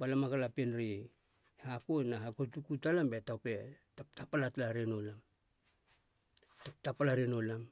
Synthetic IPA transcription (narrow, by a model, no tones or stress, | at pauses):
balamakalapenɾi | hakonaɦakotukutalambe̞tawpe̞taptapalatlaɾeno̞lam | tap̚tapalaɾeno̞lam